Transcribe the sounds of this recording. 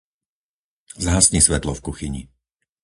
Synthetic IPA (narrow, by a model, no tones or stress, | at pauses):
zaɦasɲisʋɛt̪lɔfkuxiɲḭ